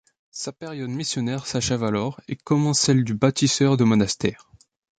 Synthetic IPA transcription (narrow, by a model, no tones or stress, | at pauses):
sapeʁjɔd̪misjɔnɛʁsaʃɛvalɔʁekɔmɑ̃sɛld̪ybat̪isœʁd̪əmɔnast̪ɛːʁ